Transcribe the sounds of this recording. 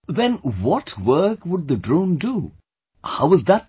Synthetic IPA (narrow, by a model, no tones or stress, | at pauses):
ʋɛ̃nwɔʈʰwəɾkkʋʊɖ̚d̪əɖɾõːnɖu | haʊɪzd̪æʈ̚